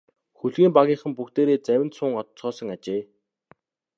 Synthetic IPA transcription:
xuɮɣiːmpaɣʲiːɴχə̆mpukt̪eːɾeːt͡sæwʲɪ̆nt̪sʊːŋɔt̪sɔːsɞ̆ŋat͡ɕeː

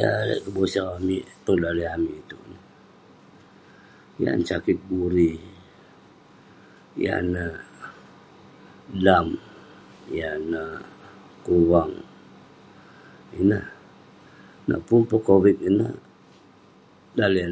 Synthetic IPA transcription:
ja̰la̰ʔkəbosaamiʔpəŋdaliamiːt̪uʔnə | ja̰nt͡ʃakɪt̪̚buɾi | ja̰nə | dam | janə | kuwaŋ | inəh | na̰ʔpunpəkowit̪̚inə | dali

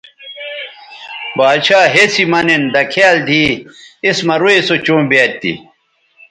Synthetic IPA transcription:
baːd̪ɕaːɦesimɐnend̪ɐkʰaːld̪ʱiismɐɾuesot͡ɕõːmbjeːt̪ːḭ

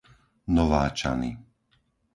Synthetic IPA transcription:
nɔʋaːt͡ʃa̰nḭ

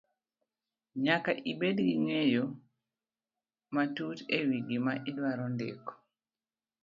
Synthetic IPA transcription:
ɲakaʔibedɡiŋejo | matutewiɡimaʔidwaɾɔndḛkɔ̥

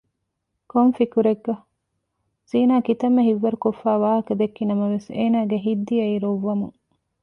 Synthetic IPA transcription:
konfikuɾeɡːɐ | z̥iːnaːkit̪ɐmːeɦiʋːɐɾukofːæːʋaːɦɐkɐd̪ekːinɐmɐʋeseːnaːɡeɦid̪ːiɐiɾoʋːɐmuŋ

